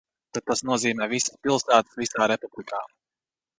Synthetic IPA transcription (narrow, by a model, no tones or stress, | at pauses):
t̪ad̪̚t̪asnuɔziːmɛːvisə̥spilˠsaːt̪ɨ̥svisaːɾepublˠikaː